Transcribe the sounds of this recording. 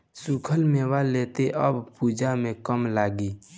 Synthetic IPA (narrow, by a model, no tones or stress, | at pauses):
sukʰəlmeːwaleːt̪eʔəbpuːd͡ʒamẽkəmlaːɡiː